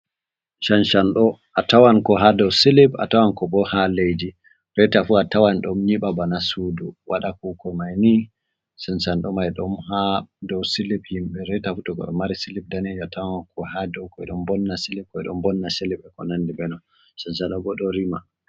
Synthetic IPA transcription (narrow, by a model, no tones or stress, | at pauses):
ʃanʃanɗɔʔatawankɔɦadɔwsilipa̰tawankɔbɔhalejd͡ʒi | ɾɛjtafuatawanɗɔmɲiɓabanasuduwʔaɗakukɔmajni | sɛnsanɗɔmajɗɔmhadɔwsiliphimɓɛɾɛjtafutɔkɔ̰ɔ̰maɾisilib̚danid͡ʒatawankʰɔhadɔwkɔɛ̰ɗɔmbɔnːasilip̚kɔɛɗɔmbɔnːasiliɓɛkɔ̰nandibɛnɔ | sɛnsanɗɔbɔɗɔɾima